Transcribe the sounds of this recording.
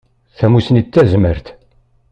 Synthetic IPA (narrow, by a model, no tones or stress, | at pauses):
θæmusənit͡s̪ːæzməɾθ